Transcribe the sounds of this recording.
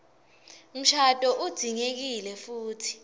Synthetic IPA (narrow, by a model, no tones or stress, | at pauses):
um̩ʃʰatʼɔʔud̥d̥ʱiŋek̬ilɛfuːtʰi̥